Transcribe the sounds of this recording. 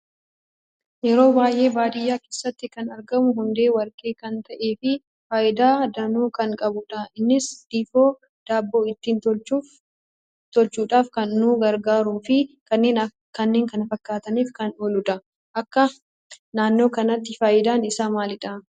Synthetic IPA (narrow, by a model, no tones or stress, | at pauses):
jɛɾo̞ːbaːjʔe̞ːbaːd̪ɪjːaːke̞ːsːɐt̪ːɪkɐnɐɾɡɐmʊɦʊnd̪e̞ːwɐɾkʼe̞ːkɐnt̪ɐʔe̞ːfɪ | faːʔɪd̪aːd̪ɐnuːkɐŋkʼɐbʊᶑɐɪnːɪsd̪̥iːfo̞ː | d̪̥aːbːo̞ːɪt̪ːiːnt̪t͡ʃuː | t̪ɔlt͡ʃuːᶑaːfkɐnːuːɡɐɾɡaːɾuːfɪ | kɐnːe̞ːnɐ | kɐnːe̞ːŋkɐnɐfɐkːaːt̪ɐniːfkɐnoːlʊᶑ̪ɐ | ʔɐkːɐ | naːnːo̞ːkɐnɐt̪ːɪfaːʔɪd̪aːnɪsaːmaːlɪᶑaː